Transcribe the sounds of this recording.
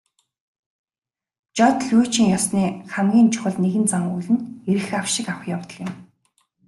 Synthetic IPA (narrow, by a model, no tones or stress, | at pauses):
t͡ɕɔt̪ɮut͡ɕɪ̆ŋjɔsniːχæmɡʲiːnt͡ɕʰʊ̥xə̆ɮneɣɘ̆nt͡saŋuɮɘ̆neɾɘ̆xawʃɪ̆kawχjawt̪ə̥̆kjɪ̆m